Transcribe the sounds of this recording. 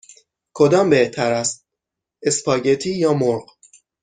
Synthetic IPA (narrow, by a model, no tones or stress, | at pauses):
kʰo̞d̪ɒːmbeht̪ʰæɾæst̪̚ | espʰɒːɟet̪ʰiːjɒːmoɾɢ